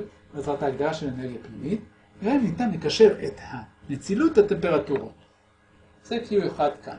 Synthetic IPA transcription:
mazʁat̪aːɡd̪aʁaʃeleneʁɡijapnimit̪ | eʁanit̪amikaʃe̞ʁet̪hanet͡silut̪hat̪e̞mpe̞ʁat̪uʁa | z̥ekijueχad̪kʰa̰n

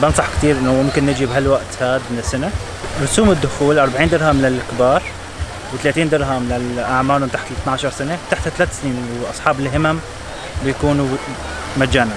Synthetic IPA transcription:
bɪnsˤɑħkt̪iːɾʔɪnːʊmʊmkɪnːɪd͡ʒibɦalwaʔt̪had̪mɪnɪsːane | ɾˤʊsuːmɪd̪ːʊxuːlʔɑɾˤbaʕiːnd̪ɪɾˤɦamːɪnɪlɪkbɑːɾˤ | wɪt̪laːt̪iːnd̪ɪɾˤɦamɪnɪlʔaʕmaːlʊmt̪aħt̪lɪt̪naʕʃɑɾˤsanewt̪aħt̪hat̪alaːt̪sniːnwʔɑ̰sˤħɑːbɪlɦɪmam | bɪjkuːn | mad͡ʒaːna

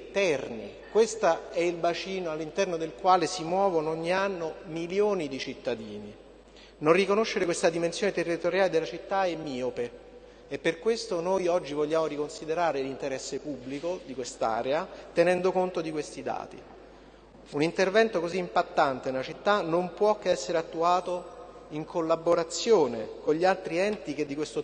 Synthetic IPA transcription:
t̪ɛrnḭ | kwest̪aɛilbat͡ʃiːnoalːint̪ɛrnod̪elkwaːlesimwɔːvonoɲːianːomiljoːnid̪it͡ʃit̪ːad̪iːni | nonrikonoʃːeɾekwest̪ad̪imensjoːnet̪erːit̪oɾjaːled̪elːat͡ʃit̪ːaemːiːope | epːerkwest̪onojɔd͡ʒːivoʎːaːmoɾikonsid̪eɾaːɾelint̪eɾɛsːepubːlikod̪ikwest̪a̰ːɾeat̪enɛnd̪okont̪od̪ikwest̪id̪a̰ːt̪ḭ | unint̪ervɛnt̪okoziːmpat̪ːant̪enelat͡ʃit̪ːanompwɔkːeɛsːeɾeat̪ːuaːt̪o | iŋkʰolːaboɾat̪sːjoːnekoɲʎːialt̪ɾiɛnt̪iked̪ːikwest̪o

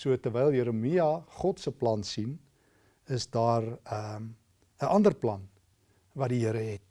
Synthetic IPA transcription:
suətərvɛjlˠjəɾəmiɐχɔtsəplɐnsin | əsdɑːrə | əʔɐndərplɐ̰n | vɐtdiɦəɾəɦɛt̚

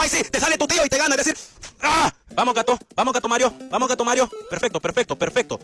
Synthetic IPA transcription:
ajsit̪esalet̪ut̪ioit̪eɣanadesiɾabamoɣat̪obamozɣat̪omaɾjobamoɣat̪omaɾjopeɾfek̚t̪opeɾfek̚t̪opeɾfek̚t̪o

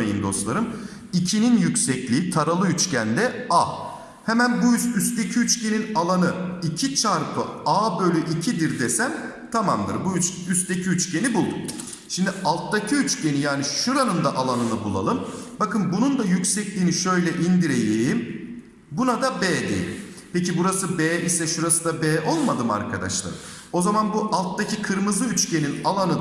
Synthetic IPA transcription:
ejind̪o̞̰slˠaɾɯm | icʰininjycʲsɛclʲiːit̪ʰaɾalˠɯyt͡ʃcænd̪ɛaː | hemænbuysyst̪ecʰiyt͡ʃce̞ninalˠanɯicʰit͡ʃʰaɾpʰɯabø̞lʲyʔicʰid̪iɾd̪esæm | t̪ʰamamd̪ɯ̰ɾbuyt͡ʃyst̪ecʰiyt͡ʃcʰe̞nibulˠd̪um | ʃimd̪ialˠt̪d̪acʰiyt͡ʃcʰe̞nijaːniʃuɾanɯnd̪aʔalˠanɯnɯbulˠa̰lˠɯmbakɯnbunund̪ajycsɛclʲiːniʃø̞jlʲɛʔind̪iɾejejm | bunad̪abeːd̪ḛḛlʲḭmpecibuɾasɯbeːʔisɛʃuɾasɯd̪abɛːʔo̞lˠmad̪ɯma̰ɾkʰa̰d̪a̰ʃlˠa̰ɾ | o̞zamanbuʔalˠt̪d̪acʰikʰɯɾmɯzɯyt͡ʃce̞ninalˠanɯ

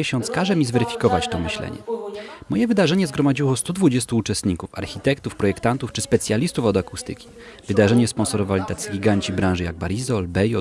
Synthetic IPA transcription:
ɛɕɔ̃nt̪skaʐɛmʲizvɛɾɘfʲi̥kɔvat͡ɕt̪ɔmɘɕlɛ̰ɲɛ̰mɔjɛvɘd̪aʐɛɲɛzɡɾɔmad͡ʑiwɔst̪ud̪vud͡ʑɛst̪uːt͡ʂɛst̪ɲikufa̰ɾxʲit̪ɛkt̪ufpɾɔjɛkt̪ant̪uft͡ʂɘspɛt̪sʲjalʲist̪ufɔd̪akust̪ɘ̰kʲi̥ | vɘd̪aʐɛɲɛspɔnsɔɾɔvalʲit̪at̪sʲɘɡʲiɡaɲt͡ɕibɾãʐɘjaɡ̚baɾizɔlbɛjɔ

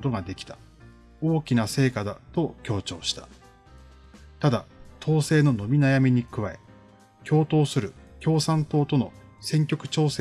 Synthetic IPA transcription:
ot̪o̞ɡad̪e̞kʲi̥t̪ḁ | o̞ːkʲinase̞ːkad̪at̪o̞kʲo̞ːt͡ɕo̞ːɕi̥t̪ḁ | t̪ad̪at̪ʰo̞ːse̞ːno̞no̞mʲinajamʲiɲ̟ikɯ̟βaḛ | kʲʰo̞ːt̪o̞ːsɨɾɯ̟kʲo̞ːsãnt̪o̞ːt̪o̞no̞̰sẽ̞ŋkʲo̞kɯ̟̥t͡ɕo̞ːse

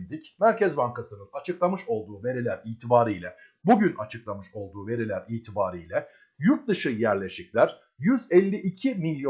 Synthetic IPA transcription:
lʲd̪icmæɾcɛzbaŋkasɯnɯnat͡ʃʰɯklˠamɯʃo̞lˠd̪uːve̞ɾilʲæɾiːt̪ʰibaːɾɯjlʲɛ | buɟynʔat͡ʃʰɯklˠamɯʃo̞lˠd̪uːve̞ɾilʲæɾiːt̪ʰibaːɾɯjlʲɛ | juɾt̪̚d̪ɯʃɯjæɾlʲe̞ʃiclʲæɾ̥ | jyzɛlʲːiʔicʰimilʲjo

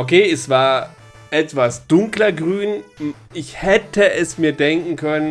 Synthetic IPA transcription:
ʔokʰeːɛsv̥aːɐ | ʔɛtv̥asd̥ʊŋklɐɡʁyːn | ʔɪçhɛtʰəʔɛsmiːɐdɛŋkŋ̩kʰœnən

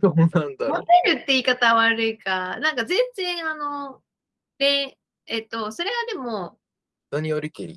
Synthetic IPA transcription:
soːnãnd̪amot̪eɾɯ̟t̪ːe̞iːkat̪aβaɾɯ̟ikanãŋkazẽ̞nd͡zẽ̞ɰ̃ano̞ | ne̞ | et̪ːo̞so̞ɾe̞ɡad̪e̞mo̞ | d̪̥oɲ̟ioɾʲikḛɾʲḭ

